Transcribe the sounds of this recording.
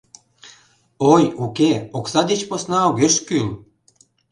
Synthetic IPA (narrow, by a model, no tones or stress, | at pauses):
ojukeoksɑd̪et͡ɕposnɑoɣeʃkyl